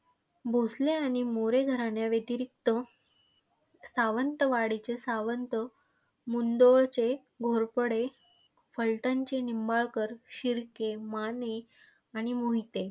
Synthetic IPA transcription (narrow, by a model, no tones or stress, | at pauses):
bʱosleaɽ̃imoɾeɡʱəɾaɳjaʋjet̪iɾik̚t̪ə | saʋənt̪əʋaɽit͡ɕesaʋənt̪ə | mund̪oɭt͡ɕe | ɡʱoɾpəɽe | fəlʈãɲt͡ɕenimbaɭkəɾɕiɾkemane | aɽ̃imoɦit̪e